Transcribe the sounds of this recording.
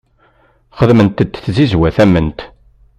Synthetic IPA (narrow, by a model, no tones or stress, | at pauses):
χəðmənt̪əd̪θzizwæθæmːənt̪